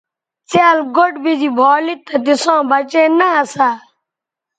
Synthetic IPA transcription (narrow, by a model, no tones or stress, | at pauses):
t͡saːlɡoʈbid͡ʒiːbʱoːlit̪ːɐd̪ɪsõːbət͡ʃeːnaəsaː